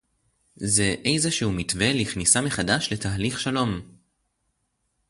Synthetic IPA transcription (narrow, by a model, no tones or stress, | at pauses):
ze̞ʔejzeʃehumitve̞liχnisameχadaʃle̞taɦliχʃalo̞m